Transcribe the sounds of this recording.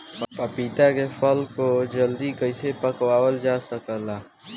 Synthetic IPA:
ppəpiːt̪akefʰəlkod͡ʒəld̪ikəɪsepəkwaːwəld͡ʒasəkəla

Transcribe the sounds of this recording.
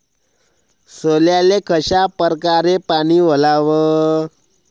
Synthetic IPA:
soljalekʰəɕapəɾkaɾepaɽ̃iːʋ̤əlaʋə

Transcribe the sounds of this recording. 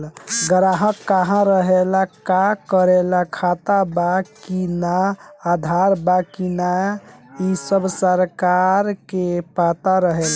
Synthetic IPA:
ɡəɾaɦəkːaɦãɾəɦelakakəɾelakʰat̪abakinaːd̪ʱaɾbakina | isəbsəɾkaɾkepat̪aɾəɦela

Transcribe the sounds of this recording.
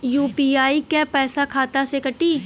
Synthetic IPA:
juːpiːaːikɛpɛːsakʰaːt̪asekɐʈiː

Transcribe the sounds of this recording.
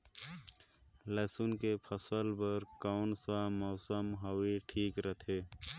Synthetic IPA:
lɛːsʊnkepʰəsəlbəɾkaːnsamɔːsəmɦəwiʈʰiːkɾət̪ʰeː

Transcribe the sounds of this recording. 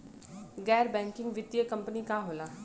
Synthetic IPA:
ɡɛːɾbɛ̃ːŋkɪ̃ŋɡʋɪt̪ːijəkəmpənikaːɦoːlaː

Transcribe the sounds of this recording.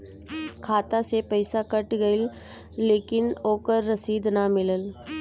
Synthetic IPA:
kʰaːt̪asepɐɪsakɐʈɡəɪlː | eːkɪnoːkəɾːɐsiːd̪namɪləl

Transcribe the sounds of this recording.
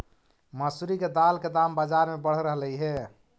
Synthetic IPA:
məsuɾiked̪alked̪ambəd͡ʒaɾmebəɽ̤ɾəɦliɦe

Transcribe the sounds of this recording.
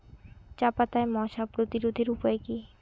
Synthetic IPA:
t͡ɕapat̪aemɔʃapɾot̪iɾod̪ʱeɾupɔeki

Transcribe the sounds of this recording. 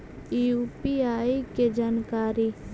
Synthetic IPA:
iupiaːiked͡ʒaːnkaːɾi

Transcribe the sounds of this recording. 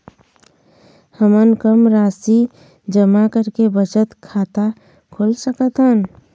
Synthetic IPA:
həmənkəmɾaːsi | d͡ʒəmakəɾkebət͡ʃət̪kʰaːt̪a | kʰoːlsəkət̪ɦən

